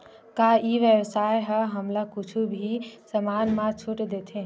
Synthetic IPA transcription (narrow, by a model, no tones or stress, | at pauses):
kaiʋjəbsajɦəɦəmlakut͡ʃʰubʱisəmanmãt͡ʃʰuʈd̪et̪ʰẽ